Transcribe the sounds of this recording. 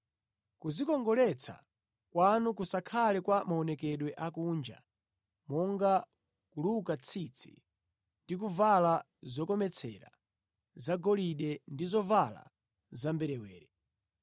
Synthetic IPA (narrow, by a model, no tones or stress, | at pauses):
kuzikɔŋɡɔlɛt͡sʰa̰ | kwanuk̬usakʰalɛkwamaɔnɛkɛɗwɛʔakund͡ʒa̰ | mɔŋɡa | kulukat͡sʰit͡sʰḭ | ndik̬uvala | zɔkɔmɛt͡sʰɛɾa̰ | zaɡɔliɗɛndizɔvala̰ | zambɛɾɛwɛːɾɛ